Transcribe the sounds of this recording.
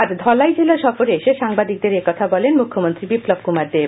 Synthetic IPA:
aɾd̪ʱɔlajd͡ʑelaʃɔfoɾeʃeʃaŋbad̪ik̚d̪eɾekɔt̪ʰabɔlenmukʰːomont̪ɾibiplob̚kumaɾd̪e

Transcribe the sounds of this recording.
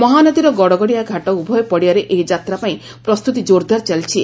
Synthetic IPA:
mɔɦanɔd̪iɾɔɡɔɽɔɡɔɽijaɡʱaʈɔubʱɔjɔpɔɽiaɾeʔed͡ʒat̪ɾapaĩ | pɾɔst̪ut̪id͡ʒoɾd̪ʱaɾt͡ʃalt͡ʃʰi

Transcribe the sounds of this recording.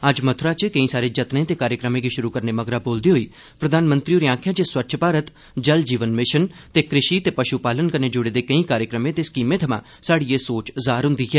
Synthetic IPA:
əd͡ʒmət̪ʰɾaːt͡ʃkəĩːsaːɾeːd͡ʒət̪nẽːt̪eːkaːɾjəkɾəmẽːɡiːʃʊɾuːkəɾneːməɡɾaːboːld̪iːɦoiː | pɾəd̪ʱaːnmə̃nt̪ɾiːoːɾiãːkʰjãːd͡ʒeswətːʃʰpaːɾət̪ | d͡ʒəld͡ʒiːʋənmɪʃənt̪eːkɾɪʃit̪eːpəʃupaːlənkəɾneːd͡ʒʊɽeːd̪eːkəĩːkaːɾjəkɾəmẽːt̪eːskiːmẽt̪ʰəmã̰ː | saːɽiːeːsoːt͡ʃzaːɾɦʊ̃nd̪iːɦɛː

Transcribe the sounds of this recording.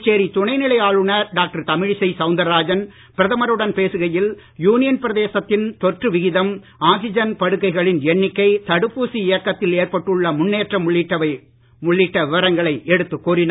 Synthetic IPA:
t͡ʃːeːɾit̪ʊɳɐɪnɪɭɐjaːɻɯɳɐɾɖaːk̚ʈɐɾt̪ɐmɪɻsɐɪsɐʊnd̪ɐɾaːd͡ʒɐn | pɪɾɐðɐmɐɾɯɽɐnpeːsɯɣɐjɪl | juːnɪjɐnpɪɾɐðeːsɐt̪ːɪnt̪ɔʈrɯʋɪɣɪðɐm | aːsɪd͡ʒɐnpɐɽɯkːɐɪɣɐɭɪnɛɳːɪkːɐɪt̪ɐɽɯpːuːsiɪjɐkːɐt̪ːɪleːrpɐʈːɯɭːɐmʊnːeːʈrɐmɭːɪʈːɐɐ | mʊɭːɪʈːɐʋɪʋɐɾɐŋɡɐɭɐɪʔɛɽɯt̪ːɯkːuːɾɪn

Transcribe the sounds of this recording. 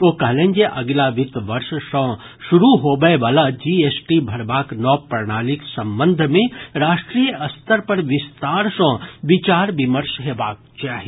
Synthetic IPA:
oːkɐɦlẽːnd͡ʒeʔɐɡlaʋɪt̪ʋɐɾʃsə̃ | ʃʊɾuɦoːbəeʋaːlad͡ʒiesʈibʱɐɾbaːknɔːpɾəɽaːlɪksɐ̃mbə̃nd̪ʱmẽɾaːʃʈɾiːjəʔɐst̪ʰəɾpɐɾʋɪst̪aːɾsə̃ːʋɪt͡ʃaːɾʋɪməɾʃɦeːbaːk̚t͡ʃaːɦi

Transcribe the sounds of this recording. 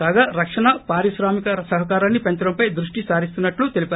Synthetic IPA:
aːɡaːɾɐkʂɐɳɐpaːɾiʃɾaːmikɐsɐɦɐkaːɾaːnːipeɲt͡ʃɾɐmpɐjd̪ɾuʂʈisaːɾist̪unːɐʈlut̪e̞lipa

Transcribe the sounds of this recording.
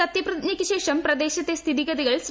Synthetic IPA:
ɐt̪jɐprɐd̪nɐkʲːɨɕeːʂɐmprɐd̪eːɕɐt̪ːest̪ʰiðiɣɐðiɣɐɭs

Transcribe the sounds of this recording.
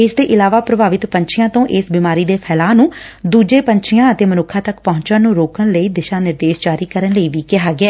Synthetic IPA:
ɪsd̪eːʔɪlaːʋaːpɾəbaːʋɪt̪pəɲt͡ʃʰɪjãːt̪õːʔɪsbiːmaːɾiːd̪eːpʰɛːlaːnũːd̪uːd͡ʒeːpəɲt͡ʃʰɪjãːət̪eːmənʊkʰːãːt̪əkpɔɦʊ̃ɲt͡ʃãːnũːɾoːkənləiːd̪ɪʃaːnɪɾd̪eːʃd͡ʒaːɾiːkəɾənləiːʋiːkɪɦaːɡɪɛː

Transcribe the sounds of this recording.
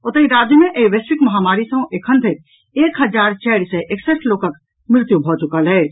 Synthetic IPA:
ot̪əiɾad͡ʒjəmẽʔeiʋeswɪkmɐɦamaɾisə̃ʔekʰənt̪ʰek | eːkɦəd͡ʒaːɾt͡ʃɛɽsə̃ʔeksesloːkək | mɾɪt̪jubʱɔt͡ʃukəlɦɛː

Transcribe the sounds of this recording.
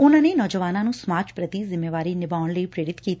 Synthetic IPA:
ʊnãːneːnɔːd͡ʒəʋaːnãːnũːsmaːt͡ʃpɾət̪iːzɪmːeːʋaːɾiːnɪbaːʊɳləipɾeːɾɪt̪kiːt̪

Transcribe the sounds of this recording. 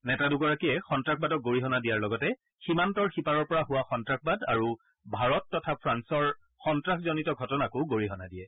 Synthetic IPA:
nɛtaduɡɔɹakiɛxɔntɹakʰbadɔk̚ɡoɹiɦɔnadijaɹlɔɡɔtɛ | ximantɔɹxipaɹɔɹpɔɹaɦʊwaxɔntɹak̚ʰbadaɹu | bʱaɹɔtːɔtʰapʰɹansɔɹ | xɔntɹakzɔnitɔɡʱɔtɔnakʊɡoɹiɦɔnadijɛ

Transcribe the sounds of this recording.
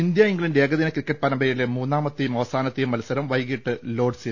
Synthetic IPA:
ind̪jaiŋɡiɭinde̞ːɡɐðinɐkɾikːɐʈ̚ːpɐɾɐmbʱɐjilemuːnːaːmɐt̪ːejumɐʋɐsaːnɐt̪ːejumːɐlɐsɐɾɐmʋɐjɡiʈːɨlo̞ːɖsi

